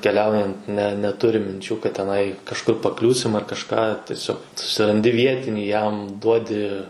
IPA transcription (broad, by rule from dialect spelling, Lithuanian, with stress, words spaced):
kʲɛˈlʲɛʊjɛnt nʲɛ nʲɛˈtʊrʲɪm mʲɪnʲˈt͡ʃʲuː kɐt tʲɛˈnɐɪ kɐʃˈkʊr pɐˈklʲuːsʲɪm ɐr kɐʃˈkɑː tʲiɛˈsʲoːk sʊsʲɪrɐnʲˈdʲɪ ˈʋʲiɛtʲɪnʲiː jɛm ˈduɔdʲɪ